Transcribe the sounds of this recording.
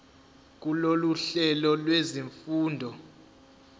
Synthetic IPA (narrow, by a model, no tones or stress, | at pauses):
k̬ʼuloluɬɛlɔlweziɱfuːndʱɔ